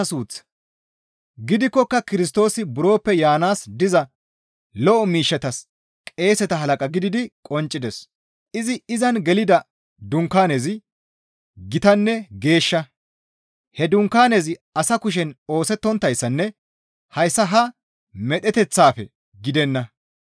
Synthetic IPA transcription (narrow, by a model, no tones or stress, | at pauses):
ɐsuːt͡sː | ɡɪd̪ɪkːɔkːɐkɪɾɪs̬t̪o̞ːsɪbʊɾo̞ːpːɛjaːnaːsd̪ɪzɐ | lɔʔɔmiːʃːɛt̪ɐs | kʼe̞ːsɛt̪ɐɦɐlɐkʼɐɡɪd̪ɪd̪ɪkʼɔnt͡ʃʼːɪd̪ɛs | ʔɪzɪɪzɐnɡɛlɪd̪ɐ | d̪ʊŋkaːnezɪ | ɡɪt̪ɐnːɛɡe̞ːʃːɐ | hɛd̪ʊŋkːaːnezɪɐsɐkʊʃ̬ɛno̞ːsɛt̪ːɔnt̪ːɐjsːɐnːɛ | hɐjsːɐɦɐ | mɛt̪ʼɛt̪ɛt͡sːaːfɛ̰ | ɡɪd̪ɛnːɐ